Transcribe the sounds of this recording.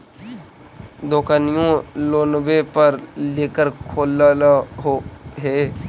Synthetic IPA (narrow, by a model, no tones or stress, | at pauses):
d̪oːkanijõloːnbepəɾleːkəɾkʰoːlɦoɦeː